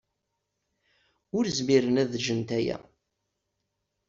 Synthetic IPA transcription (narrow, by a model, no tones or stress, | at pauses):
ʊɾzmiɾənæðʒənt̪æjæ̰